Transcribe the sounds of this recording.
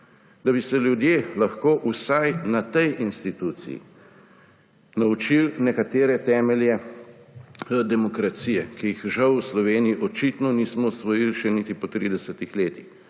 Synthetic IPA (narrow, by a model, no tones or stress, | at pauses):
d̪abisɛljud̪jeːlaxkoːʔusajnat̪ɛjinst̪it̪ut̪sḭjḭ | naut͡ʃilnɛkat̪eːɾɛt̪ɛːmɛljɛ | d̪ɛmɔkɾat̪siːjɛkijixʒawslɔʋeːnijiʔɔt͡ʃit̪nɔniːsmɔsʋɔjilʃɛnit̪ipɔt̪ɾid̪ɛsət̪ixleːt̪ix